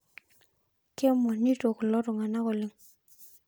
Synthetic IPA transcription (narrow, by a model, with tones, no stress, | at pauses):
ke˦mɔ˨ni˦to˨klɔ˦ɾɔ˨ŋa˨na˦kɔ˨lɪ˦ŋ